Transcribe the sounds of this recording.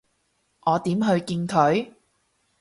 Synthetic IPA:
ʔɔː˨˧t̪iː˨˥mɦɵ˧ɥkiː˧nkʰɵ˨˥ɥ

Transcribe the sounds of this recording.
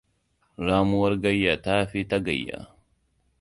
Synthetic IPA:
ɾaː˦mu˦wɐ˦ɾɡɐ˦jːa˨taː˦ɸi˦tɐ˦ɡɐ̰˨jːa̰˨

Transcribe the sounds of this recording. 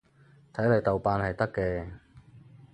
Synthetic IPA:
t̪ʰɐ˨˥jlɐ˨˩jt̪ɐ˨wpaː˧nhɐ˨jt̪ɐ˥kːɛː˧

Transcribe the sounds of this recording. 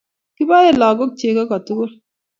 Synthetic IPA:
ki˦ba˦e˦˨lɔ˨ɡo˦k̚t͡ʃe˨ka˦kɔ˨tu˦ɡo˦

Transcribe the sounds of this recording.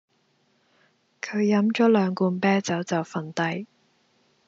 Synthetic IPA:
kʰɵ˨˧ɥjɐ˨˥mt͡ʃɔː˨˥lœː˨˧ŋkuː˧npɛː˥t͡sɐ˨˥wt͡sɐ˨˩wfɐ˨˩nt̪ɐ˧j

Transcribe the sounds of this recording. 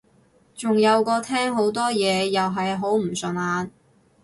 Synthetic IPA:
t͡sʊ˨ŋjɐ˨˧wkɔː˧t̪ʰɛː˥ŋɦo˨˥wt̪ɔː˥jɛː˨˧jɐ˨wɦɐ˨jɦo˨˥wm̩˨˩sɵ˨naː˨˧n

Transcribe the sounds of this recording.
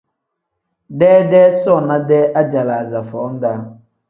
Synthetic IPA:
dɛː˦dɛː˦sɔ˦˨na˦dɛ˦ʔa˦d͡ʒa˨la˨a˨za˨fɔː˨˦n̩˦da˦

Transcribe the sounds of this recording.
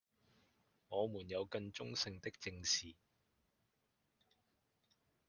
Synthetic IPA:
ŋɔː˨˧muː˨˩njɐ˨˧wkɐ˧nt͡sʊ˥ŋsɪ˧ŋt̪ɪ˥k̚t͡sɪ˧ŋsiː˨˩

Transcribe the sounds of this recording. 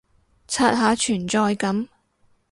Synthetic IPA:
t͡sʰaː˧t̚ɦaː˨˥t͡ʃʰyː˨˩nt͡sɔː˧jkɐ˨˥m

